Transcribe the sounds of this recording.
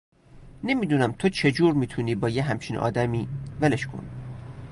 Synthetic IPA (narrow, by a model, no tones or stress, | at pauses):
ne̞miːd̪uːnæmt̪ʰo̞t͡ʃʰe̞d͡ʒuːɾmiːt̪ʰuniːbɒːjeɦæmt͡ʃʰiːnʔɒ̰ːd̪æmiːveleʃkʰo̞̰n